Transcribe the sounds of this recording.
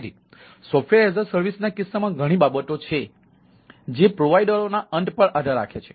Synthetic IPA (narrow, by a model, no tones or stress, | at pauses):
ɾi | sɔpʰʋeɾezəɾsəɾʋisnakɪsːamãɡʱəɽ̃ibabət̪ot͡ʃʰe | d͡ʒepɾoʋaiɖəɾonaəɳʈpəɳʔad̪ʱaɾa̰kʰet͡ʃʰe̥